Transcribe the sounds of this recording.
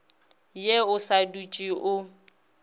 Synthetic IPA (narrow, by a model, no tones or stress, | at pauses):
jeʊsadut͡ʃʼiʔʊ